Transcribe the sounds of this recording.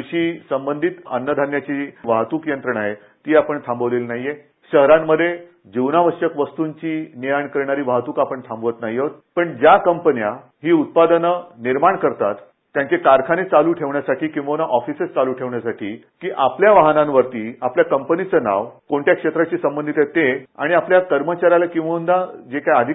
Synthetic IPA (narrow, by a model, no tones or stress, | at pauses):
ɕiːsəmbənd̪ʱit̪ə̰nːəd̪ʱanjat͡ɕiʋaɦt̪uːkjənt̪ɾəɳaɦe | t̪iːapəɳt̪ʰãmbəʋlelnaɦije | ɕəɦɾamːəd̪ʱːje | d͡ʑiʋnaʋəɕəkʋəst̪uɲt͡ɕiːniaɳkəɾɳaɾiːʋaɦt̪uːkapəɳt̪ʰãmbəʋət̪naɦiot̪̚pəɳd͡ʑjakəmpənija | ɦiːut̪̚pad̪ənəniɾmaɳkəɾt̪a̰t̪ː | jaɲt͡ɕekaɾkʰanet͡saluːʈʰeʋɳjasaʈʰiːkĩw̃ʋənaʔɔfisest͡saluːʈʰeʋɳjasaʈiː | kiːʔapljaʋaɦnãnʋəɾt̪iːapljakəmpənit͡səna̰ʋkoɳʈjakʂet̪ɾat͡ɕiːsəmbənd̪ʱit̪et̪ea̰ɽ̃iapljakəɾmət͡ɕaɾjalakĩw̃ʋəund̪ad͡ʑekajad̪ʱi